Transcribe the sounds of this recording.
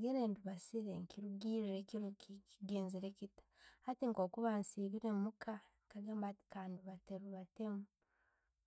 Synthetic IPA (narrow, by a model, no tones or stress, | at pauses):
aɡeɾeːnduβasiɾeŋkiɾuɡiːɾiɾekiɾukikiɡeːnziɾekitḁhatiŋko̞ːkuβansiːβiɾemukaŋkaɡembakaːnduβateɾuβatemu